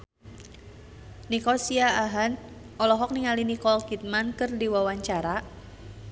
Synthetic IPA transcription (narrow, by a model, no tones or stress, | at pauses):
nikɔsiaːɦan | ɔlɔɦɔk̚niŋalinikɔlkit̪̚mankɨrdiwawaɲt͡ʃaɾa